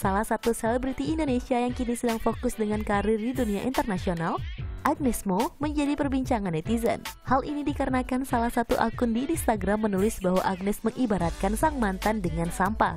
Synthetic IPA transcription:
salahsat̪uselɛbɾit̪iːndonesiajaŋkinisədaŋfokʊsdəŋankaɾɪrdiduniaʔḭnt̪ərnasionalʔak̚nɛsmoməɲd͡ʒadipərbiɲt͡ʃaŋanɛt̪izə̰nhalinidikaɾənakansalahsat̪uʔa̰kʊndinst̪aɡɾamːənulɪsbaɦwa̰ʔak̚nɛsməŋʔibaɾat̪̚kansaŋmant̪andəŋansampa̰

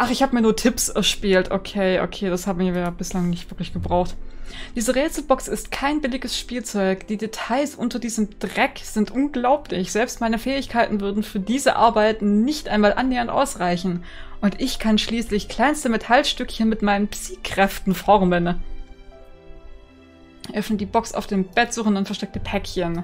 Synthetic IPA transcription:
ʔaχɪçhaːbəmiːɐnuːɐtʰɪpsɛɐʃpiːltʰokʰeːʔo̰kʰeːd̥ashaːbm̩iːɐjaːbɪslaŋnɪçtv̥ɪɐklɪçɡ̥əbʁaʊxtd̥iːzəʁeːt͡sl̩bɔksɪstkʰaɪnbɪlɪɡəsʃpiːlt͡sɔʏkd̥iːdetʰaɪsʔʊntɐdiːzəmd̥ʁɛkz̥ɪntʔʊnɡlaʊpʰlɪçz̥ɛlpstmaɪnəfɛːɪçkʰaɪtn̩vʏɐdn̩fyːɐdiːzəʔa̰ɐbaɪtn̩nɪçtʔaɪnmaːlʔanːeːɐntʔa̰ʊsʁaɪçn̩ | ʔʊntʔɪçkʰanʃliːslɪçkʰl̥aɪnstəmetʰalʃtʏkçənmɪtmaɪnənpt͡siːkʁ̥ɛftn̩fɔʁmən | ʔœfnət̚d̥iːbɔksa̰ʊfd̥eːmb̥ɛtz̥uːχn̩dʊnfɛɐʃtɛk̚təpʰɛkçən

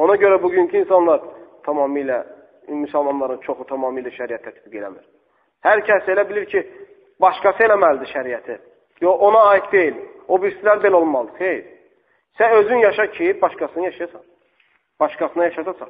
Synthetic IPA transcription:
o̞nɑɟø̞ɾæbuɟyɲcʰiːnsɑnlˠɑɾt̪ʰɑmɑːmijlæ | mysælmɑnlˠɑɾɯnt͡ʃʰo̞xut̪ʰɑmɑːmijlæʃæɾijæt̪ʰːæt̪b̥iɡe̞læmiɾ̥ | hæɾcʰæse̞læbiliɾcʰi | bɑʃkɑsɯe̞læmæld̪iʃæɾijæt̪ʰi | joo̞nɑːjik̪d̪e̞jilo̞bist̪læɾbe̞lolˠmɑlˠd̪ɯχejɾ | sæøzynjɑʃɑcʰijip̚bɑʃkɑsɯnɑjɑʃɑjɑsɑn | b̥ɑʃkɑsɯnɑjɑʃɑt̪ʰɑsɑ̰χ

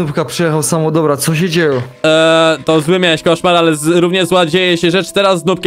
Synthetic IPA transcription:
upkapʂɛjɛxawsamɔd̪ɔbɾat̪sɔɕɛd͡ʑejɔ | t̪ɔzwɘmʲjawɛɕkɔʂmaɾalɛzɾuvɲɛzwad͡ʑejɛɕɛʐɛt͡ʂt̪ɛɾazːnupkʲ

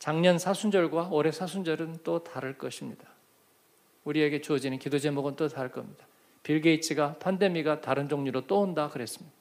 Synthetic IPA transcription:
t͡ɕaŋɲʌnsʰasʰund͡ʑʌɭɡwaoɾe̞sʰasʰund͡ʑʌɾɯnt͈otaɾɯɭk͈ʌɕʰimɲid̥a | uɾie̞ɡe̞t͡ɕuʌd͡ʑinɯnkidod͡ʑe̞moɡɯnt͈otaɾɯɭk͈ʌmɲid̥a | piɭɡe̞it͡ɕʰiɡapʰande̞miɡataɾɯnd͡ʑoŋɲiɾot͈oondakɯɾe̞s͈ɯ̥mɲida

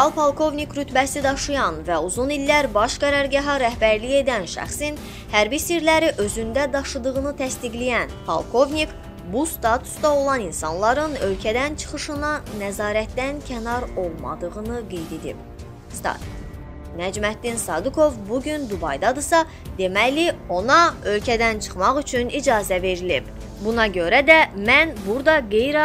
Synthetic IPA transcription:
ɑlˠpʰɑlˠkʰo̞vnikɾyt̪bæsid̪ɑʃɯjɑnvæuzunilːæɾbɑʃɡæɾɑɾɡɑɦɑɾæhbæɾlije̞d̪ænʃæ̰χsin | hæɾbisiɾlæɾiʔø̞zynd̪æd̪ɑʃɯd̪ɯʁɯnɯt̪ʰæst̪iɡlijænpʰɑ̰lˠkʰo̞vnik | bust̪ɑt̪ʰu̥sd̪ɑo̞lˠɑninsɑnlˠɑɾɯnø̞lcʰæd̪ænt͡ʃʰɯ̥χɯʃɯnɑnæzɑːɾæt̪d̪æncʲʰænɑɾo̞lˠmɑ̰d̪ɯʁɯnɯɡe̞jd̪e̞d̪ḭb | st̪ɑ̰t̪ | næd͡ʒmæt̪̚d̪insɑd̪ukʰo̞vbuɟynd̪ubɑjd̪ɑd̪ɯsɑ | d̪̥e̞mæjlio̞nɑø̞lcʰæd̪ænt͡ʃʰɯ̥χmɑʁyt͡ʃʰynid͡ʒɑːzæve̞ɾilib | bunɑɟø̞ɾæd̪æmænbuɾd̪ɑɡe̞jɾ

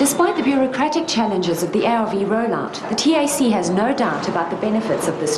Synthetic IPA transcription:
d̥ɨspaɪt̪̚ðəbjʊɹɨkʰɹ̥æɾɪk̚t͡ʃʰælˠɨ̃nd͡ʒɪzʌvðiɛviɹəʊlæ̰̃ | ðɨtʰieɪsiɨznəʊdaʊɾəbaʊt̪̚ðəbɛnɨfɨtsʌvðɪs

